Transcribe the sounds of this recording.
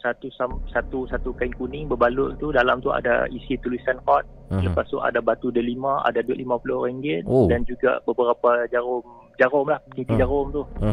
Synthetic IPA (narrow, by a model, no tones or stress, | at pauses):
sat̪usamsat̪usat̪ukaiŋkunɪŋbəbalʊʔt̪udalamt̪ua̰da̰isit̪ulisanhɔt̪̚ləpast̪uʔa̰dabat̪udəlimãa̰daduʊʔlimãpuloɾaŋɡɪt̪dand͡ʒuɡa̰bəbəɾapad͡ʒaɾʊm | d͡ʒaɾʊmlahkit̪id͡ʒaɾʊmt̪uh